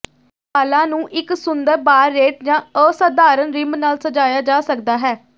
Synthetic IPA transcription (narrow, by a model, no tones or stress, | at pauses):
aːlãːnũːʔɪksʊnd̪əɾbaːɾːeːʈ̚d͡ʒãːəːsəd̪aːɾənɾɪmnaːlsəd͡ʒaːjaːd͡ʒaːsəkd̪aːɦɛː